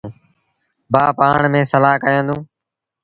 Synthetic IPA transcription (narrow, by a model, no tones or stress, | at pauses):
baːpaːɳmẽːsəlaːkəjãːnd̪ũː